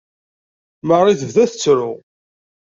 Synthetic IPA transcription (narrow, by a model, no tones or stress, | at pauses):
məʁɾiθəvðæθət͡sːɾʊ